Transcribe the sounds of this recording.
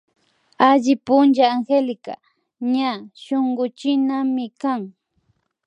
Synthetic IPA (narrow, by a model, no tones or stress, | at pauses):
aʎɪpʊnt͡ʃaːŋxelɪka̰ | ɲaʃoŋɢʊt͡ʃɪnamɪkaŋ